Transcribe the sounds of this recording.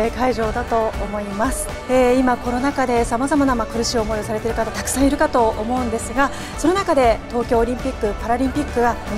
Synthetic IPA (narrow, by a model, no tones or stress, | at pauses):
ekaiʑo̞ːd̪at̪o̞ːmo̞imasɨ̥ | eːimako̞no̞nakad̪e̞samazamanamakɯ̟ɾɯ̟ɕiomo̞josaɾe̞t̪e̞ɾɯ̟kat̪at̪ḁkɯ̥sãɰ̃iɾɯ̟kat̪o̞ʔomo̞ɯ̟̃nd̪e̞sɨɡa | so̞nonakad̪e̞t̪o̞ːkʲo̞ːɾʲĩmpʲikːɯ̟paɾaɾʲĩmpʲikːɯ̟ɡa